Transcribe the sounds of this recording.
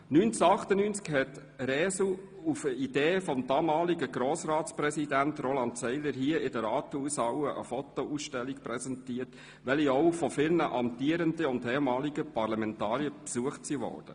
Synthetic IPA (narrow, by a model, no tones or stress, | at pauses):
nyːnt͡səɑχtənyːnt͡skhɛt | ɾɛːsu | ufəid̥eːfɔmd̪ɑːmɑːliɡəɡɾoːsrɑːtsprɛsidæntrolɑntsɛɪləɾɦiəɪdəɾɑːtəuːsɑwəʔə̰fɔt̪ouːsʃtɛlːikpɾɛsɛntiːət | ʋɛliɔʊfɔfɪlnəʔɑmt̪iəɾəndəʊndhɛːmɑːliɡəpɑrlɑmɛntɑːɾiəpsuəχtsiʋɔ̰ːrd̥ə̰